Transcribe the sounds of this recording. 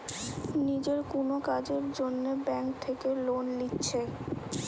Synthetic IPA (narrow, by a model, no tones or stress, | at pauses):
nid͡ʑeɾkonokad͡ʑeɾd͡ʑonːebɛŋk̚t̪ʰekelonlitːɕʰe